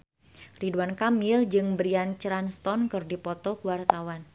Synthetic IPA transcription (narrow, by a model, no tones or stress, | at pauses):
riduwankamɪld͡ʒɨŋbɾiant͡ʃɾanst̪ɔnkɨrdipɔt̪ɔkuwart̪awan